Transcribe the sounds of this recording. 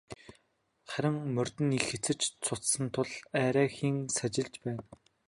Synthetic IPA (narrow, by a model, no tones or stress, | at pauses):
χæɾʲɪ̆ŋmɵr̥t̪ɘ̆nixet͡sɘ̆t͡ɕt͡sʰʊt͡s̪sə̆nt̪ʰʊɮæːɾæːxiːŋsat͡ɕɪ̆ɮt͡ɕpæːn